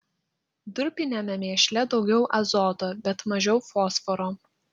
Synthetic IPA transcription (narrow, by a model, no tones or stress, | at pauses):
d̪ʊɾʲpʲɪnʲemʲɛmʲeːʃʲlʲɛd̪ɒʊɡʲɛʊʔɐzɔːt̪oːbʲɛt̪mɐʒʲɛʊfoːsfɔɾoː